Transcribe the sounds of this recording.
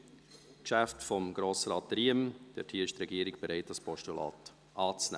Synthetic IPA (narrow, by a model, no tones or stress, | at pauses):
kʃæftfɔmɡ̥ɾoːsɾɑːt̚ɾiəmd̥ɛ̰thiːəɪʃt̪ɾɛɡiːəɾɪɡb̥eɾɛɪt̚ɑspɔʃtulɑ̰ːt | ʔɑːt͡snɛ̰